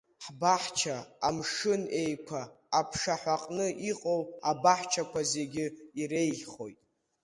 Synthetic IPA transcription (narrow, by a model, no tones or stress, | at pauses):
ħbaħt͡ʃʰaːmʂɨne̞jkʷʰaː | pʰʂaħʷaqʼnɨʔiqʼowabaħt͡ʃʰakʷʰaze̞ɡʲɪiɾe̞jɮχo̞jtʼ